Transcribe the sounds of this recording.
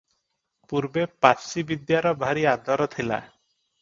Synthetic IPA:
puɾbepasibid̪jaɾɔbʱaɾiad̪ɔɾɔt̪ʰila̰

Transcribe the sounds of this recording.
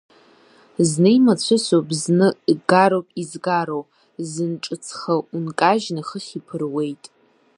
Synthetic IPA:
znɨimat͡sʷʰʊsobznɨɡaɾowpʼizɡaɾow | zɨnʈ͡ʂʼɨt͡sʰχaunkʼaʒnaχəχʲipʰɨrwe̞jtʼ

